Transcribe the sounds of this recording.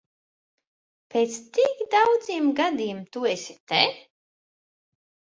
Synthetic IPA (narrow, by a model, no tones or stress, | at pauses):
peːt̪st̪ikd̪awd̪ziːmɡad̪iːmt̪uesʲi̥t̪ɛ